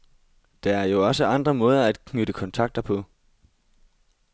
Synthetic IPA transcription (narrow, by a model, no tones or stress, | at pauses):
d̥ɑ̈æɐjo̝ɒ̽səɑ̈nd̥ʁɐmɔ̽ːð̞ˠɐæd̥kʰnyɾ̥əkʰɒ̽nt͡sʰɑ̈ɡ̥̚d̥ɐpʰɒ̽